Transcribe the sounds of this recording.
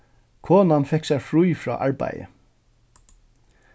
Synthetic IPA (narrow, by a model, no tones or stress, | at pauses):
kʰɔːnanfɛksæɹfɹujfɹɔ̰ːʔaɹba̰jə̰